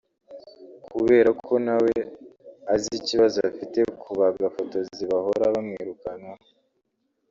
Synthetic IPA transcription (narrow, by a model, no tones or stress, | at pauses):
kʰuβe̞ːɾakʰo̞naweaziciβazoafite̞kʰuβabɡafoto̞ziβaho̞ɾaβamŋiːɾukana